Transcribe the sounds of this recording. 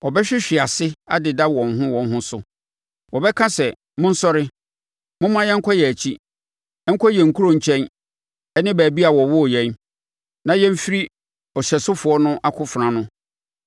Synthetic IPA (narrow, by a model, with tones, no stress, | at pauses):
ɔ˨bɛ˦ɕᶣɪ˦ɕᶣɪ˨a˨sɪ˦a̰˦dɪ˨da˦wɔ̃˨n̩˨ɦʊ̃˦wɔ̃˨n˦ɦʊ̃˦sʊ˦ | wɔ˨bɛ˦kʰã˦sɛ˨ | mʊ̃˦n̩˦sɔ˦ɾɪ˦ | mʊ̃˦m˦ã˦jɛ̃˦ŋ̩˦kʰɔ˦jɛ˨æ˨t͡ɕʰi˦ | ɛ˦ŋ̩˦kʰɔ˦jɛ˨ŋ̩˨kʰu˦ɾõ˨ɲ̩˨t͡ɕʰɛ̃˦n | ɛ˦nɪ̃˦bæː˨bi˦a˨wɔ˨wɔ˦˨jɛ̃˦n | nã˨jɛ̃˦m˦fi˦ɾi˦ | ɔ˨ɕɛ˨sʊ˦fʊ˨˦ɔ˦nʊ̃˦ʔa˦kʰʊ˦fɾã˨nʊ̃˦